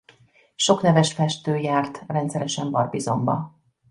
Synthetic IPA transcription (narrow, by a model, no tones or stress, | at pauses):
ʃo̞knɛvɛʃfɛʃt̪øːjaːrt̪rɛnt̪sɛɾɛʃɛɱbɒrbizo̞mbɒ